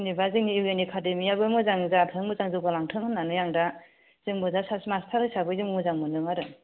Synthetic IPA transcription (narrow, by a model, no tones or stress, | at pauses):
nibaziŋniiwenekʰademijabɯmɯzaŋzatʰɯŋmɯzaŋzɯbalaŋtʰɯŋɯnanɯjaŋda | z̥ɯŋbɯzasasmastʰaɾɯsabɯzɯmmɯzaŋmɯnɯŋaɾɯ